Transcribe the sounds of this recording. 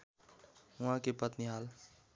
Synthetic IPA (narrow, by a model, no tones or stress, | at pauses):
ɦʊãkepət̪niɦaːl